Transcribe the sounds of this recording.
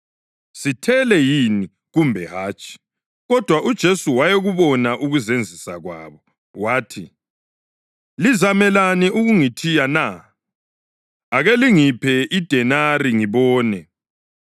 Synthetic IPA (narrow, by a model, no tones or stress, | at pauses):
sitʰɛlɛjini | ɣumbʱɛɦaːt͡ʃʰʼi̥ | ɣɔd̥ʱwaʔud̥ʒ̥ʱesuwajeɣuβɔnaʔuɣuzend͡zʱisa̰ɣwa̰ːβɔ | waːtʰi | lizamɛlaniʔuɣuŋitʰijana | aɣeliŋipʰɛʔid̥ʱɛnaɾiŋiβɔːnɛ